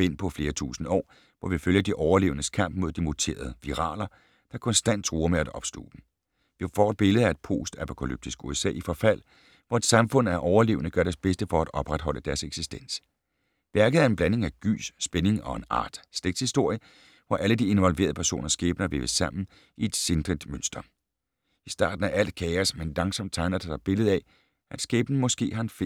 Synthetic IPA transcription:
e̝n̰pʰɒ̽fle̝ːɐt͡sʰṵːsn̩ɒ̰ː | ʋɒʋiføljɐd̥iʔɒʊɐle̝̰ːʊənəskʰɑm̰b̥̚mo̝ð̞̰ˠd̥imo̝t͡sʰe̝̰ːɐð̞̩ˠəʋiʁɑ̰̈ːlɐ | d̥ɑ̈kʰɒ̽nsd̥æn̰d̥̚t͡sʰʁuːɐmeæd̥ɒ̽b̥sl̥o̰ːb̥m̩ | ʋifɒ̰ːd̥̚b̥e̝ləð̩ˠæe̝d̥̚pʰo̝̰ːsd̥æpʰo̝kʰælyb̥̚d̥isɡ̥uesɛ̰ːifɒ̽fæl̰ | ʋɒe̝d̥sɑ̈mfɔ̽n̰æɐʔɒʊɐle̝̰ːʊənəɡ̥ɶɐɾæɐsb̥esd̥əfɒ̽æd̥ɒ̽b̥ʁad̥ɦɒ̽l̰əd̥æɐseɡ̥sisd̥en̰s | ʋæɐɡ̥ð̞̩ˠæɐe̝nb̥læne̝ŋæɡ̥y̰ːsːb̥ene̝ŋɒ̽e̝nɑ̰̈ːd̥sd̥eɡ̚d̥hisd̥o̝ɐ̰jə | ʋɒʔæləd̥ie̝nʋɒ̽lʋe̝ːɐðˠpʰæɐso̝̰ːnʔɐsɡ̥eːb̥nɐʋḛːʋəsɑ̈m̰n̩ | ie̝d̥send̥ʁid̥mønsd̥ɐ | isd̥ɑ̰̈ːd̥n̩æʔæl̰d̥kʰɛɪɐsmenlɑ̈ŋsɒ̽md̥̚t͡sʰɑ̈ɪnɐd̥esɑb̥e̝ləð̞̩ˠæ | æ̥sɡ̥eːb̥n̩mɒ̽sɡ̥e̝̰ːhɑ̈enfe

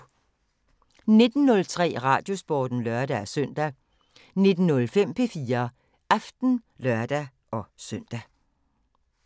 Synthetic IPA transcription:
ne̝d̥n̩ːɔ̽lt͡sʰʁɛ̰ːʁɑ̈ːd̥jo̝sb̥ɒ̰ːd̥n̩lɶɐd̥ææsœn̰d̥æ | ne̝d̥n̩nɔ̽lfem̰pʰe̝fiːɐ | ɑfd̥n̩lɶɐd̥æ | ʔɒ̽sœn̰d̥æ

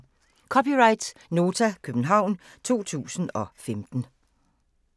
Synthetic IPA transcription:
kʰɒ̽piʁɑ̈ɪd̥sno̝ːt͡sʰækʰøb̥n̩ɦɑ̈ʊ̰n | t͡sʰo̝̰ːt͡sʰṵːsn̩ɒ̽femd̥n̩

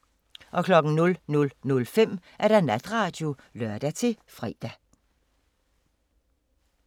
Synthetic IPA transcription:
ʔɒ̽kʰlɒ̽ɡ̥n̩nɔ̽lnɔ̽lnɔ̽lfem̰ʔæɐɾ̥ænæd̥ʁɑ̈ːd̥jo̝ | lœɐ̰d̥æt͡sʰe̝fʁɛ̰ːd̥æ

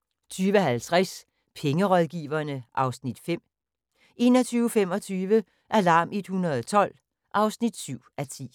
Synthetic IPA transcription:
t͡sʰyːʋəɦælt͡sʰʁas | pʰeŋəʁɒðˠɡ̥ḭːʋɐnəʔɑ̈ʊsnid̥fem̰ | e̝nɒ̽t͡sʰyːʊfem̰ɒ̽t͡sʰyːʋə | ʔælɑ̈ːmed̥hunɐðˠɒt͡sʰɒ̽l̰ | ʔɑ̈ʊsnid̥syʊ̰ʔæt͡sʰḭː

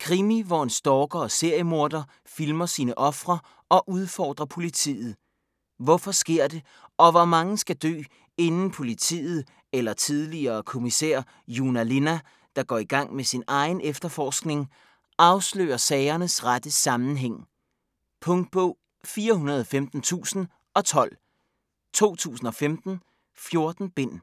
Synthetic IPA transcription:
kʰʁimiʋɒensd̥ɒːɡ̥ɐɒ̽se̝ɐ̰jəmo̝ɐ̰d̥ɐ | filmɐsiːnəʔɒ̽fʁɐ | ɒ̽ʔuð̞ˠfɒ̰ːd̥ʁɐpʰo̝lit͡sʰḭːð̞̩ˠ | ʋɒfɒ̽sɡ̥e̝ɐ̰d̥e̝ | ʔɒ̽ʋɒmɑ̈ŋəsɡ̥æd̥ø̰ː | e̝nn̩pʰo̝lit͡sʰḭːð̩ˠ | elɐt͡sʰið̞ˠliɐːkʰo̝misæ̰ɐ̰ | junæle̝næ | d̥ɑ̈ɡ̥ɒ̰ːiɡ̥ɑ̈ŋ̰mesinɑ̈ɪn̩efd̥ɐfɒːsɡ̥ne̝ŋ | ʔɑ̈ʊslø̰ːɐsɛːɪɐnəsʁad̥əsɑ̈mn̩ɦeŋ̰ | pʰɔ̽ŋd̥̚b̥ɔ̽ʊ | fiːɐɦunɐð̞ˠɒfemd̥n̩t͡sʰṵːsn̩ | ʔɒ̽t͡sʰɒ̽l̰ | t͡sʰo̝̰ːt͡sʰṵːsn̩ɒ̽femd̥n̩ | fjo̝ɐd̥n̩b̥e̝n̰

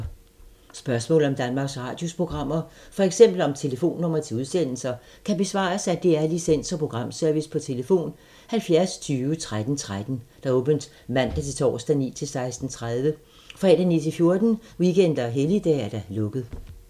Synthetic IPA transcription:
sb̥ɶɐsmɔ̰̽ːl̩ˠɒ̽md̥ænmɑ̈ːɡ̥sʁɑ̈ːd̥jospʰo̝ɡ̥ʁɑ̈m̰ɐfɒ̽eɡ̥sem̰b̥l̩ɒ̽mt͡sʰe̝ləfo̝̰ːnːɔ̽m̰ɐt͡sʰe̝uð̞ˠsen̰l̩sɐ | kʰæb̥e̝sʋɑ̰̈ːsæd̥eæɐlisen̰sɒ̽pʰʁo̝ɡ̥ʁɑ̈m̰søɐʋispʰɒ̽t͡sʰe̝ləfo̝̰ːn | hælfjæɐst͡sʰyːʋət͡sʰʁad̥n̩t͡sʰʁad̥n̩d̥ɑ̈ɔ̽ːb̥ənd̥ | mæn̰d̥æt͡sʰet͡sʰɒ̰ːsd̥ænḭːt͡sʰe̝lsɑ̈ɪsd̥n̩t͡sʰʁað̞ˠʋə | fʁɛ̰ːd̥ænḭːt͡sʰe̝lfjo̝ɐd̥n̩wiɡ̥en̰d̥ɐɦelid̥ɛ̰ːæɐd̥ælɔ̽ɡ̥ð̩ˠ

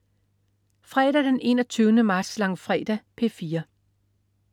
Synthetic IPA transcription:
fʁɛ̰ːɾ̥æd̥enʔe̝̰ːnɒt͡sʰyːʊnəmɑ̈ːd̥slɑ̈ŋfʁɛ̰ːd̥æpʰe̝fiːɐ

